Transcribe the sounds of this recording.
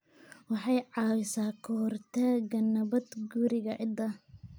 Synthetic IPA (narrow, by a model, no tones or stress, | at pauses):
wɑħɑjʕɑːwɪsaːkʰɔhrt̪ʰaːɡɐnɐβɐd̪ɡuɾɪɣɐʔɪd̪ɐ